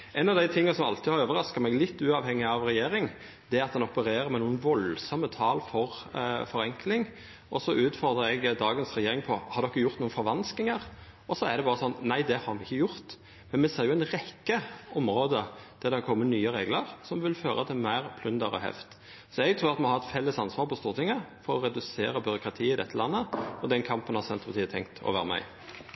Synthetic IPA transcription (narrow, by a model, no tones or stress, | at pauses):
ʔɛnɑʋd̪æɪt̪ʰɪŋːɑsɔmɑ̰lt̪ʰɪhɑɾøːʋəɾɑskəɾmɛɡlɪt̪ːʉːɑːʋhɛŋːɪɑʋɾɛjeːɾɪŋ | d̪̥ɛæɑt̪̚d̪ɛnɔpəɾeːɾəɾmɛnuːənʋɔlsɔmːət̪ʰɑːlfɔɾfɔɾɛŋklɪŋ | ʔɔsɔʔʉːt̪fɔɾd̪ʁəɛɡd̪ɑːɡənsɾɛjeːɾɪŋpʰɔhɑɾd̪ɔkːəjʊɾt̪nuːənfɔɾʋɑnsk̪ɪŋəɾʔɔsɔæd̪ɛbɑːʁəsɔnːnæɪd̪ɛhɑɾmɛɪçːəjʊɾt̪ | mɛnmɛseːɾjʊæɪnʁɛkːəɔmɾoːd̪əd̪̥æʁd̪ɛhɑɾkʰɔmːənyːəɾeːɡləɾsɔmʋɪlføːɾət̪ʰɪmæɪɾpʰlʉnd̪əɾə̰hɛ̰ft̪ | sɔɛɡ̚t̪ʰɾuːɾɑt̪mɔhɑɾɛt̪fɛlːəsɑnsʋɑːɾpʰɔst̪uːʁt̪ʰɪŋːəfɔɾɔɾɛd̪ʉseːɾəbʏɾʊkɾɑt̪ʰiːɪd̪ɛt̪ːəlɑnːəɔd̪ɛnkʰɑmpənhɑsɛnt̪əpʰɑt̪iːət̪ʰɛ̰ŋkt̪ʰɔ̰ʋæ̰ːɾəmæ̰ɪ